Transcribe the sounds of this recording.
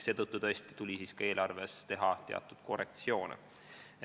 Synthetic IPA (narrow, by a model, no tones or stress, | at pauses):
se̞ːt̪ɤt̪ːˑut̪ɤ̞esʲt̪i̥t̪ulʲisiːskɑe̞ːlɑrve̞st̪e̞ɦɑt̪e̞ɑ̰t̪ːˑud̪̥kʰo̞rek̚t̪sio̞ːnḛ